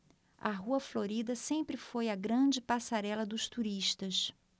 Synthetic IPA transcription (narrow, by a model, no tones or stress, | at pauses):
ɐ̰ɦuɐfloɾid̪ɐsẽmpɾɪfojɐɡɾɐ̃d͡ʒɪpasaɾɛlɐd̪ʊʃt̪uɾiʃt̪ɐs